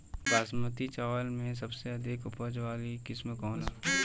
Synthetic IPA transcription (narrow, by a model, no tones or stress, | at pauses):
baːsmət̪it͡ʃaːʋəlmẽs̬ɐbseɐd̪ʱɪkʊpəd͡ʒʋaːlikɪsmkɔːn